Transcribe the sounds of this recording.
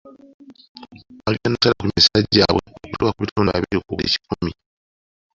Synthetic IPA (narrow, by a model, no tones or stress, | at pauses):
alianasalakumisaɟːaβweokuwakuβitoːnaβiɾokuβḛːci̥kumi